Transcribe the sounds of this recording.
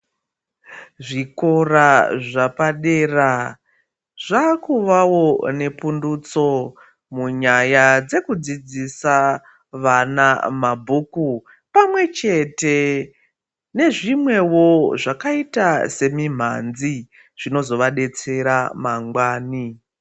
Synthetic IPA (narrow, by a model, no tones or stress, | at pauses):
ʐiko̞raʐapaɗe̞ːra | ʐ̥akuʋawo̞ne̞pundut͡so̞ | muɲajad͡ze̞kud͡zid͡zisa | ʋanamabʱuku | pamwe̞t͡ʃe̞te̞ | ne̞ʐimwe̞wo̞ʐakaitase̞mim̤a̰nzi | ʐ̥ino̞zo̞ʋaɗe̞t͡se̞ɾamaŋɡwaːni